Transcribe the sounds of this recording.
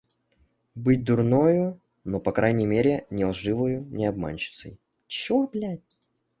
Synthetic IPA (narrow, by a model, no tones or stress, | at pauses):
bɨt̚ʲd̪ʊrnojʊ | nopɐkɾʔajnʲɪmʲeɾʲɪnʲɪlˠʐɨvəjʊnʲɪɐb̚ma̰nʲt͡ɕɪ̥t̪sə̰j | t͡ɕoɐplʲætʲ